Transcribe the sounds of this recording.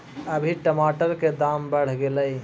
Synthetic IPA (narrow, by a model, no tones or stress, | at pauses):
əbʱiʈəmaʈəɾked̪ambəɽ̤ɡeləj